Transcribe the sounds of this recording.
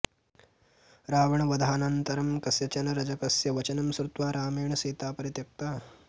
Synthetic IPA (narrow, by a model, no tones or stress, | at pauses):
ɾaːʋɐɳɐʋɐd̪ʱaːnɐnt̪ɐɾɐmkɐsjɐt͡ʃɐnɐɾɐd͡ʒɐkɐsjɐʋɐt͡ʃɐnɐmsɾut̪ʋaːɾaːmeːɳɐsiːt̪aːpɐɾjɐt̪jɐk̚t̪aː